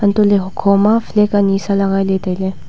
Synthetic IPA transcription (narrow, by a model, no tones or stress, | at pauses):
ɐnt̪oleɦʊkʰoːmaflekaniːsalɐɣaːjlet̪ele